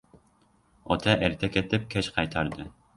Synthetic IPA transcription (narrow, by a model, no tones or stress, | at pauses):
ɔ̰t̪ʰɛʔæɾt̪ʰɛkʲet̪ɪp̚kʲʰɛt͡ʃqʰɑjt̪ʰɑɾd̪ɨ